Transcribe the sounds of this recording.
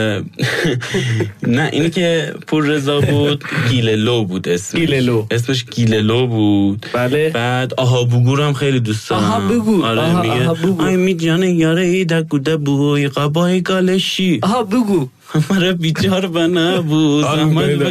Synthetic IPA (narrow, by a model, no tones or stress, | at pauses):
næʔḭnikʰepʰuɾːezɒːbud̪̥kʰilelobuːd̪esmeloes̬meʃ̬ɡʰilelobud̪̥blb̥æd̪ɒɦɒːbuɡuːɾæmxejlid̪usd̪ɾɦbeɡuɒɾeiɡeɒjmid̪d͡ʒɒːnejɒːɾeid̪æɾɡud̪æbuojiɣæbɒːiɡɒːleʃiɦbeɡu | hæmæɾɛbit͡ʃʰɒɾbænæbuzæhmæ